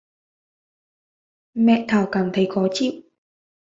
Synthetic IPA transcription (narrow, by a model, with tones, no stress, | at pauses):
mɛ̰˧˨t̪ʰaː˧˩wkaː˧˩mt̪ʰə˨˦jxɔ˨˦t͡ɕḭ˧˨w